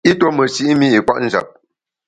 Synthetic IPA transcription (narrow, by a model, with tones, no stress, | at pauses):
i˦to˦mə˨si˦ʔi˦mi˦i˨kwa̰˦ʔn̩˦za̰˨p̚